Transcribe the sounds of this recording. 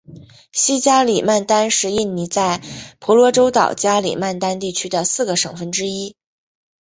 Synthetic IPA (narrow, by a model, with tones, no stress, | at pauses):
ɕi˥t͡ɕja˥li˨˩ma˥˩nt̪a˥nʂɻ̩˧˥i˥˩nni˧˥t͡sa˥˩ɪpʰɔ˧˥lwɔ˧˥ʈ͡ʂo˥ʊt̪ɑ̰˨˩ʊt͡ɕja˥lḭ˨˩ma˥˩nt̪a˥nt̪i˥˩t͡ɕʰy˥d̪ə˨sɹ̩˥˩ɡə˩ʂɤ˨˩ŋfə˥nʈ͡ʂɻ̩˥i˥